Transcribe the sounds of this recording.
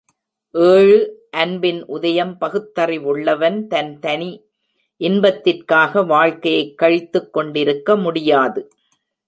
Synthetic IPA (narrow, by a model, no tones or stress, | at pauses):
ʔeːɻɯʔɐnbɪnʔʊðɐjɐmpɐɣɯt̪ːɐrɪʋʊɭːɐʋɐnt̪ɐnt̪ɐni | ʔɪnbɐt̪ːɪrkaːɣɐʋaːɻkɐjɐɪkːɐɻɪt̪ːɯkːɔɳɖɪɾɯkːɐmʊɽɪjaːðɯ